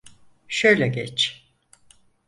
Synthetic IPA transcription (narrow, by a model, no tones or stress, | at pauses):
ʃøjlʲɛɡɛt͡ʃ